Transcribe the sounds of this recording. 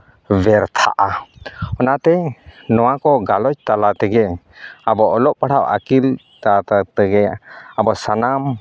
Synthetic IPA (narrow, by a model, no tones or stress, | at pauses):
bɛɾt̪ʰa̰ʔaɔnat̪ɛnɔwakɔɡalɔt͡ʃt̪alat̪ɛɡɛ | abɔʔɔlɔʔpaɽaʔa̰kil | t̪at̪at̪ɛɡɛabɔsanam